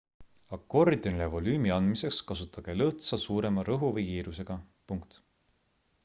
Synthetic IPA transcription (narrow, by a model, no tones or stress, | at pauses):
ɑko̞rd̪̥onilevo̞lyːmiɑnd̪mise̞kskɑsut̪ːˑɑɡ̥e̞lɤht̪sɑsuːɾe̞mɑɾɤɦuvɤjkiːɾuse̞ɡ̥ɑ | puŋkt̪